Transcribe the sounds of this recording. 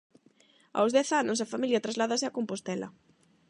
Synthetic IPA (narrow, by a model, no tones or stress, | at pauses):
a̰wzðɛθanʊs̬afamiljɐt̪ɾazlaðasɪakompost̪ɛlɐ̰